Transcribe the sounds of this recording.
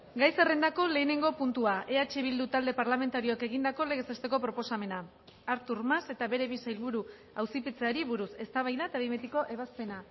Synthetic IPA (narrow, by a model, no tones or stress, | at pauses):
ɡajserend̪ako̞le̞ːne̞ŋɡo̞punt̪uaʔe̞at͡ʃeβild̪ut̪ald̪e̞paɾlame̞nt̪aɾio̞ake̞ɣ̞ind̪ako̞leɣe̞sest̪e̞ko̞pɾo̞po̞same̞na | aɾt̪uɾmase̞t̪aβe̞ɾe̞βisajlβuɾu | awsipet͡seaɾiβuɾuse̞st̪aβajðat̪aβimet̪iko̞ʔeβ̞aspe̞na